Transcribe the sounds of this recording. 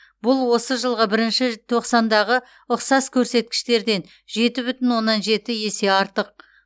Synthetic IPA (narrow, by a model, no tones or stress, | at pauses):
bʊlˠwo̞səʒəlˠʁəbɪɾɪnʃɪt̪ʰo̞qsɑnd̪ɑʁə | ʊqsɑskʲʰɵɾse̞t̪̚kʲɪ̥ʃt̪e̞ɾd̪e̞n | ʒe̞t̪ɪbʏt̪ɪnwo̞nːɑnʒe̞t̪ɪje̞se̞ɑɾt̪əq̚